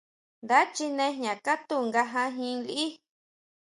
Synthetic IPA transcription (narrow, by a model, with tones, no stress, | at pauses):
nd̪a˦t͡ʃi˧nẽ˧˦ɦɲã˨ka˦t̪u˦ŋɡa˧ɦã˧ɦĩ˧li˧ʔi˦